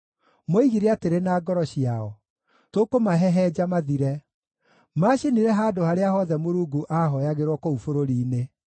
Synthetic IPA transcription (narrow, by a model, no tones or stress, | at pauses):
moiɣiɾeateɾenaːɡɔɾɔɕiaɔ | tokomaɦɛɦɛd͡ʑamaðiɾɛ | maɕiniɾɛɦaːdohaɾeahɔðɛmoɾuːɡuʔaɦɔjaɣeɾwɔkoufoɾoɾiːne